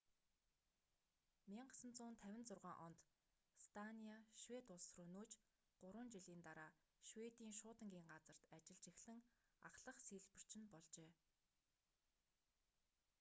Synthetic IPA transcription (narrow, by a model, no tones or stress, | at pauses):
mʲiɴɢə̥̆sə̆nt͡sʊːnt̪ʰæwʲɪ̆nt͡sʊrʁaːŋʔɔnt̪ | st̪ʰaniaʃwet̪ʊɮsrɵnuːt͡ɕ | ɢ̥ʊɾwə̆ːnt͡ɕiɮiːnt̪aɾaːʃwet̪iːŋʃʊːt̪ə̆ŋɡʲiːŋɢat͡sə̆r̥t̪at͡ɕɪ̆ɮt͡ɕɪ̆xɮɘ̆ŋa̰χɮə̆χsiːɮpɘ̆r̥t͡ɕɪ̆npɔɮt͡ɕeː